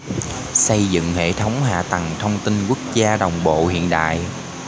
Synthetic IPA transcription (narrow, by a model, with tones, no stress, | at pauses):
sə˧jzɨ̰˧˨ŋhḛ˧˨t̪ʰə˨˦wŋ͡mɦa̰ː˧˨t̪ə˨˩ŋt̪ʰə˧wŋ͡mt̪i˧nkwu˦˥ək̚zaː˧ɗə˨˩wŋ͡mɓo̰˧˨hḭ˧˨ənɗa̰ː˧˨j